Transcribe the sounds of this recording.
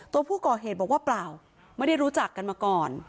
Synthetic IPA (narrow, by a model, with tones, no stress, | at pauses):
t̪u˧ɐpʰuː˥˩kɔː˨˩ɦeː˨˩t̪̚bɔ˨˩k̚waː˥˩plaː˨˩w | ma˥˩jda˥˩jɾuː˦˥t͡ɕa˨˩kːa˧nmaː˧kɔː˨˩n